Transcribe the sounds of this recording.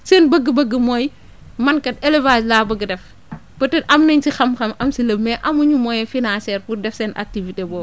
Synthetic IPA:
seːnbɐɡəbɐɡəmɔj | mɐnkɐt̚elevaːslaːbɐɡədɛf | bɐtɛʔɐmnɐɲsixɐmxɐmʔɐmsilɐmɛʔɐmuɲumɔjɛfinansɛːɾpurdɛfsɛnʔa̰k̚tivitebɔː

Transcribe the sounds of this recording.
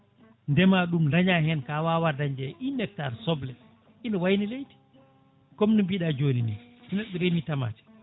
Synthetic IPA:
ndɛmaɗumɾaɲaɦɛnkawawaɾdaɲd͡ʒɛʔinɛk̚taːɾsɔblɛ | inɔwajnilejti̥ | kɔmnimbiɗad͡ʒoːninḭsinɛɗɔɾemitama̰ːt͡ʃɛ̥

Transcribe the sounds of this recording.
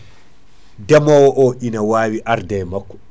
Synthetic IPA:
dɛmɔwɔʔɔʔinawaːwiʔaɾdɛjmakːɔ̥

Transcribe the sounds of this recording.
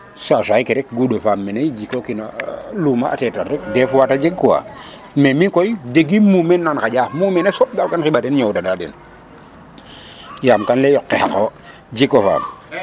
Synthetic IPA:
sasajkiɾɛk̚ɡudofaːmːenejd͡ʒikokinaluma̰ːtɛtarɛk̚dɛfuwatad͡ʒeɡkuwa̰ | memikɔjdeɡimumɛnːanxaɟaːhmuːmɛnesɔp̚ɡalkanxibadɛnɲɔwdadadɛn | jaːmkanlɛjɔkːɛhako | d͡ʒikofa̰ːm

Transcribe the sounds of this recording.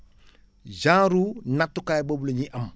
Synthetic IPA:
d͡ʒãːɾunatːukajbobluɲiʔam

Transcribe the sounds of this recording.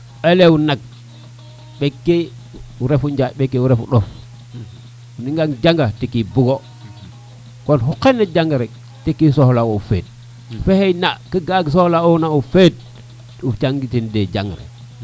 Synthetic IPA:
eleunak̚ | ɓekːe | uɾefuɲd͡ʒaɓekːeuɾefṵɗof | uniŋɡaŋd͡ʒaŋɡatikibuɡo | konɦuqenːed͡ʒaŋɡaɾek̚ | tikːisohlaofḛːd̚ | fehejnakiɡaɡsohlaonaufed̚ | uft͡ʃaŋɡitinded͡ʒa̰ŋɡɾḛ

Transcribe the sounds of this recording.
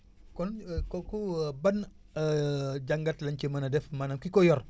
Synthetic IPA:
kɔnkɔkubɐn | ɟɐŋɡɐtlɐɲcəmɐnɐdɛfmaːnamkikɔjɔr

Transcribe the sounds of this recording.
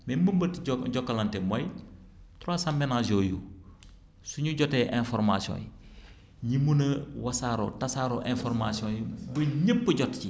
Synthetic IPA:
mɛmbɐmbɐtɟɔkːɐlɐntɛmɔj | tɾɔsɐmbɛnad͡ʒɔːjṵ | suɲuɟɔtɛʔɛ̃nfɔɾmasiɔ̰̃ji | ɲimunɐwɐsaːɾɔ̰tɐsaːɾɔːʔɛ̃nfɔɾmasiɔ̃jbɐɲəpːəɟɔtci

